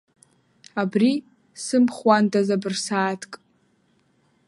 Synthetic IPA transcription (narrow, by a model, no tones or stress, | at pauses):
abri | sɨmχwantʼʰazabɨrsaːtʰkʼ